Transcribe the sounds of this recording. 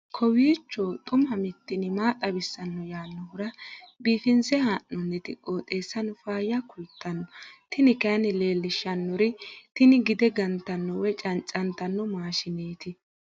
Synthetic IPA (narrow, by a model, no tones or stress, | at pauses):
kʰɔwiːt͡ʃːot̪ʼʊmɐmɪt̪ːɪnɪmaːt̪ʼɐbɪsːɐnːɔjaːnːɔhʊɾɐbiːfɪnsɛhaːnːɔnːɛt̪ɪ̰kʼːoːt̪ʼe̞ːsːɐnʊfaːjɐkʊlt̪ʰːɐnːɔt̪ɪnɪkɐnɪle̞ːlːɪʃːɐnːɔɾɪt̪ɪnɪɡɪd̪ɛɡɐnt̪ːɐnːɔwɛt͡ʃʼɐnt͡ʃʼɐnt̪ɐnːɔmaːʃɪneːt̪ɪ